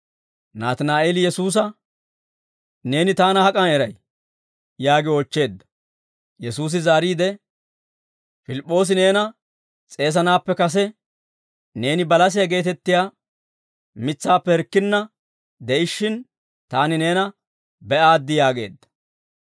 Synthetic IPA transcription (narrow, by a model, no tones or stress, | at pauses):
naːt̪naːʔeːlɪjɛsuːs̬ɐ | ne̞ːnɪt̪aːnɐhɐkʼɐnɛɾɐj | jaːɡɪɔt͡ʃːe̞ːd̪ːɐ̥ | jɛsuːs̬ɪzaːɾiːd̪ɛ | fɪlɪpʼːo̞ːs̬ɪne̞ːnɐ | t͡sʼe̞ːs̬ɐnaːpːɛkɐs̬ɛ | ne̞ːnɪbɐlɐs̬ɪjɐɡe̞ːt̪ɛt̪ːɪjaː | mɪt͡sːaːpːɛhɛɾkːɪnːɐ | d̪ɛʔɪʃːɪn | t̪aːnɪne̞ːnɐ | bɛʔaːd̪ːɪjaːɡe̞̰ːd̪ːɐ̥